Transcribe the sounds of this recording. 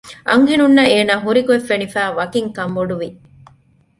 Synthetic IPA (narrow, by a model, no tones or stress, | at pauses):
ʔɐ̰ŋɦenunːɐeːnaːɦuɾikuefːenifæːʋɐkiŋkɐmʋoɖuʋi